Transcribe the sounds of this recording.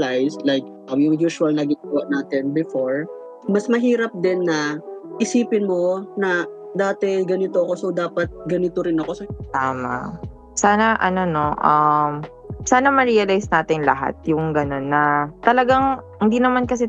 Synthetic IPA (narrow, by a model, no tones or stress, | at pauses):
lajslajk̚ | ɐjʊŋjuːʃuɐlnɐɡɪwɐʔnaːt̪ɛnbɪfoɹ | mɐsmɐɦiːɾɐp̚d̪ɪnːɐʔɪsiːpɪnmo̞nɐ | d̪aːt̪ɛɡɐnɪt̪oɐko̞sowd̪aːpɐt̪̚ɡɐnɪt̪oɾɪnɐko̞sɐt̪aːma̰ | saːnɐʔɐ̰no̞no̞ʔɐm | saːnɐmɐɹiɐlajsnaːt̪ɪnlɐ̰ɦa̰t̪̚jʊŋɡɐno̞nːɐt̪ɐlɐɡaŋhɪnd̪inɐmankɐsɛ